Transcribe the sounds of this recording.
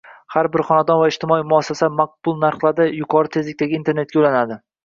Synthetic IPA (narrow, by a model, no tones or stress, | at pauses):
haɾbɪɾχɒnad̪ɒnvaɪʃt̪ʰɪmɒimʊasːasamaq̚b̥ʊlˠnaɾχlˠaɾd̪ajʊqʰɒɾɪt̪ʰezlɪk̚ʲt̪aɡʲaint̪ʰe̞ɾne̞t̪̚kʲaʊlanad̪ɪ